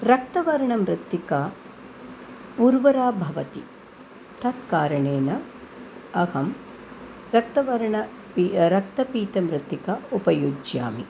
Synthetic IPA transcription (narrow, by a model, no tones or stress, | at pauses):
ɾɐk̚t̪ɐʋɐɾɐɳɐmɾɪt̪ːikaː | uɾʋɐɾaːbʱɐʋɐt̪ḭ | t̪ʰɐt̪kaːɾɐɳeːnɐ | ɐhɐm | ɾɐk̚t̪ɐʋɐɾɐɳɐ | piɾɐk̚t̪ɐpiːt̪ɐmɾɪt̪ikɐupɐjud͡ʒja̰ːmi